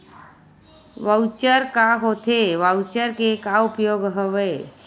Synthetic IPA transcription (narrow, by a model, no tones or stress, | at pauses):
ʋəwt͡ʃəɾkaɦot̪ʰeʋawt͡ʃəɾkekaupjoɡɦəʋe